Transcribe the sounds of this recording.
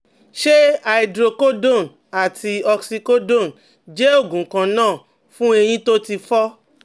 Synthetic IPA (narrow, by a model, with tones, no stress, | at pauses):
ʃe˦a˧i˧dɾo˧ko˦do˦˨n | a˨ti˧ɔ˧ksi˧ko˦do˦˨n | d͡ʒe˦o˦˨ɡũ˨kã˧nãː˦˨ | fũ˦e˧j̃ĩ˦to˦ti˧fɔ˦